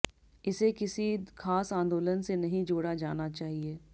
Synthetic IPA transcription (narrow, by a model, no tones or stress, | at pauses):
ɪsekɪsikaːsãːnd̪oːlənsenɐɦĩd͡ʒoːɽad͡ʒaːnat͡ʃaːɦieː